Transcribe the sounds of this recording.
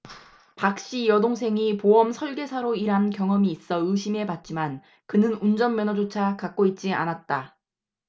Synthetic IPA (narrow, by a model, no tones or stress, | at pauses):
pak̚ɕ͈ijʌdoŋsʰe̞ŋipoʌmsʰʌɭɡe̞sʰaɾoiɾɦankjʌŋʌmiːs͈ʌɯɕʰime̞pat̚t͡ɕ͈iman | kɯnɯnund͡ʑʌmːjʌnʌd͡ʑot͡ɕʰakak̚k͈oit̚t͡ɕ͈ia̰nat̚t͈a